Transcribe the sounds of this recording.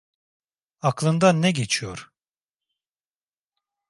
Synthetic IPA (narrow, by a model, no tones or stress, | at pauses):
aklˠɯnd̪anːɛɟet͡ʃʰijo̰ɾ̥